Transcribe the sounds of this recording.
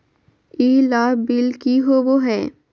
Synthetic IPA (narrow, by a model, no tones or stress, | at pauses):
iːlaːbɪlkiɦoboɦɛː